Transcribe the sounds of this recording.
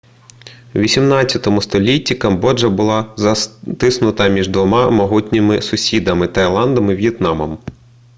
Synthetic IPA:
ʋʲisʲimnɑt͡st͡sʲːɐt̪ɔmʊst̪ɔlʲitʲːikɐmbɔd͡ʒɐbʊlˠɑzɐt̪ɪsnʊt̪ɐmʲiʒd̪ʋɔmɑmɐɦutʲnʲɪmɪsʊsʲid̪ɐmɪt̪ɐjlˠɑnd̪ɐmɪʋʲjɛt̪nɑmɔm

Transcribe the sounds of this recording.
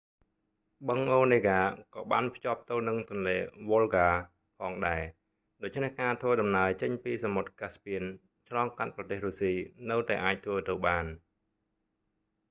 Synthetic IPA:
ɓəŋʔoːneːɡaːkɑːɓaːnpʰjŏəp̚t̪əwnɨŋt̪ŭənleːʋolɡaː | pʰɑːŋɗaɛ | ɗoːc̚t͡ɕʰnehkaːt̪ʰʋəːɗɑmnaəjt͡ɕəɲpiːsamot̪̚kaspiən | t͡ɕʰlɑːŋkat̪̚prɑt̪eːhruːsiːnɨwt̪aɛʔaːc̚t̪ʰʋəːt̪əwɓaːn

